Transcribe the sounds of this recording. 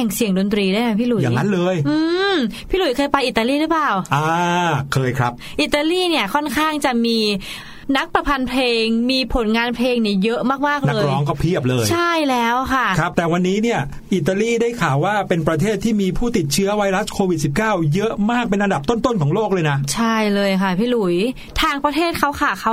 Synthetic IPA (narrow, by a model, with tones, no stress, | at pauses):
ɛ˨˩ŋsi˨˩˦əŋdo˧nt̪ɾiː˧daː˥˩jna˦˥jpʰiː˥˩lu˨˩˦jaː˨˩ŋːa˦˥nlɤː˧jʔɯː˧mpʰiː˥˩lu˨˩˦jkʰɤː˧jpa˧jʔi˨˩t̪ːa˧liː˥˩ɾɯː˦˥plaː˨˩wʔaː˧kʰɤː˧jkʰɾa˦˥p̚ʔi˨˩t̪ːaː˧liː˥˩ni˥˩əkʰɔ˥˩nkʰaː˥˩ŋt͡ɕa˨˩miː˧ | na˦˥k̚pɾa˧pʰa˧npʰleː˧ŋmiː˧pʰo˨˩˦nŋaː˧npʰleː˧ŋniː˦˥˩jɤ˦˥ʔmaː˥˩k̚maː˥˩k̚na˦ɤː˧˥˧ɾɔː˦˥ŋkɔ˥˩wpʰi˥˩əp̚lɤː˧jt͡ɕʰa˥˩jlɛː˦˥wkʰa˥˩ɾa˦˥p̚t̪ɛː˨˩wa˧nːiː˦˥ni˥˩ɐ | ʔi˨˩t̪ːaː˧liː˥˩daː˥˩jkʰaː˨˩˦waː˥˩pe˧npɾa˧t̪ʰeː˥˩t̪ʰːiː˥˩miː˧pʰuː˥˩t̪i˨˩t̪̚t͡ɕʰɯ˦˥ɐwa˧jɾa˦˥skʰoː˧wi˨˩t̪̚si˨˩p̚kaː˥˩wjɤ˦˥ʔmaː˥˩k̚pe˧nʔa˧nda˨˩p̚t̪o˥˩nt̪o˥˩nkʰɔː˩˦ŋloː˥˩k̚lɤː˧jna˦˥ʔt͡ɕʰa˥˩jlɤː˧jkʰa˥˩pʰiː˧˥˩lu˩˦j | t̪ʰaː˧ŋpɾa˧t̪ʰeː˥˩t̪̚kʰa˦˥wkʰaː˨˩kʰa˦˥w